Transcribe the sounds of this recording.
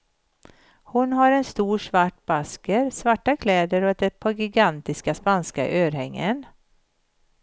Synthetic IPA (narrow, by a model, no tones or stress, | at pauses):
hʊnɦaɾɛnst̪uːʂvaʈbaskəɾsvaʈːakʰlɛːd̪əɾɔd̪ɛpʰɔɡɪɡant̪ɪskaspanska̰ʔøːɾhɛŋːə̰n